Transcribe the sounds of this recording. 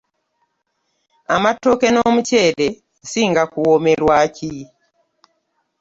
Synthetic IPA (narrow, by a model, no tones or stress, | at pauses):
amatokenomucele | siŋɡakuwomeɾwaci